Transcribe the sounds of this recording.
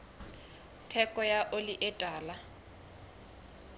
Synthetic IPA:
tʰɛkʼɔjaʔolɪʔɛtʼaːla

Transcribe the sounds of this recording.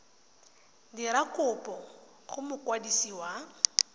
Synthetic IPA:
diɾakʼʊpʼɔ | χʊmʊkʼwadisiːwa

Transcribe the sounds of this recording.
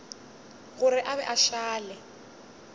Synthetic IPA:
ɣʊrɪʔaβɛʔaʃaːlɛ

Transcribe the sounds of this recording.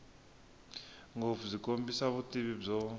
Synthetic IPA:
ŋɡofuzikʼombisaβutʼiβib͡ʐɔ

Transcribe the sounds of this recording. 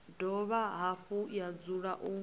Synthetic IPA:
dɔβaɦaɸujad͡zuɺaʔu

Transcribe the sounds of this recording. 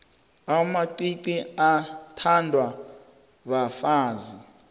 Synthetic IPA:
amaǀiǀiatʰandʱwa | βafaːzi

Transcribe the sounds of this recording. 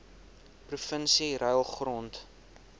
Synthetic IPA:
prufənsiɾœjlˠχrɔnt

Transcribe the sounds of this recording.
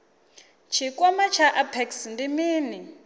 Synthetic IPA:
t͡ʃʰikʼwɔmat͡ʃʰaʔapʰɛksndimiːni

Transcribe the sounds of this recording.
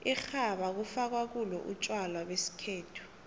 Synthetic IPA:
ixaɓak̬ufak̬wak̬ulɔʔut͡ʃʼwalawesi̥kʰeːtʰu̥

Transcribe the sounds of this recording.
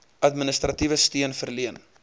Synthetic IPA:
ʔɐtmənəstrɐtivəstiənfərliən

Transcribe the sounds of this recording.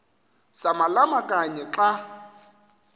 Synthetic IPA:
samalamakʼaɲɛǁa

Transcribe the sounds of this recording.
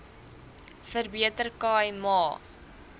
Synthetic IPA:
fərbiətərkɑːɛmɑː

